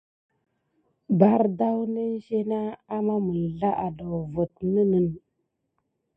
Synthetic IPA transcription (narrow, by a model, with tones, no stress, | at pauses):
ba˨ɾda˦wnə˦ʒe˦na˦a˦ma˦mə˨lɮa˦ʔa˨do˨wvə˨tnə˦nə˨n